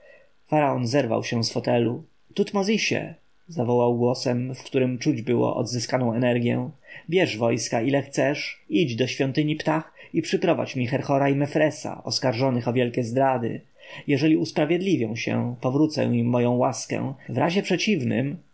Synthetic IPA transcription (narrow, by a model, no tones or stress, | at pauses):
faɾaɔnzɛɾva̰wɕɛ̃sfɔt̪ɛlu | t̪ut̪mɔzʲiɕɛ̰ | zavɔwawɡwɔsɛmfkt̪uɾɘmt͡ʂud͡ʑbɘwɔ̰ʔɔ̰d̪zɘskanɔ̃w̃ɛnɛɾɡʲjɛ̰̃bʲjɛʐvɔjskailɛxt̪sɛʂid͡ʑd̪ɔɕfʲjɔnt̪ɘɲipt̪axipʂɘpɾɔva̰t͡ɕmʲixɛɾxɔɾaimɛfɾɛsa̰ʔɔskaɾʐɔnɘxɔvʲjɛlkʲɛzd̪ɾad̪ɘ̰ | jɛʐɛlʲiuspɾavʲjɛd̪lʲivʲjɔ̃w̃ɕɛ̰pɔvɾut̪sɛ̰imːɔjɔ̃w̃waskɛ̰̃vɾaʑɛpʂɛt͡ɕivnɘ̰m